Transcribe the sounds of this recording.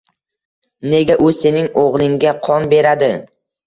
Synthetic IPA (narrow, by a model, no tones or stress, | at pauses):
ne̞ɡʲaʔʊse̞nɪŋoʁlˠɪŋɡʲaqʰɒnbe̞ɾad̪ɪ